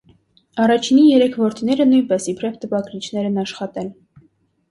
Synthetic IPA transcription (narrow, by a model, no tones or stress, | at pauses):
ɑrɑt͡ʃʰinijɛɾɛkʰvɔɾt̪ʰinɛɾənujnpɛsipʰɾɛvt̪əpɑɡɾit͡ʃʰn̪ɛɾɛnɑʃχɑt̪ɛl